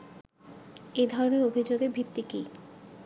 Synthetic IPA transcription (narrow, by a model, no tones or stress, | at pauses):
ed̪ʱɔɾoneɾobʱid͡ʑoɡebʱit̪ːiki